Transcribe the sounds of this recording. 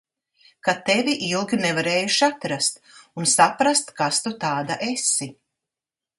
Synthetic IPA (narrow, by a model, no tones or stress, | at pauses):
kat̪evʲiʔilˠɡʲinɛvaɾeːjuʃiat̪ɾast̪unsapɾast̪kast̪ut̪aːd̪aʔesi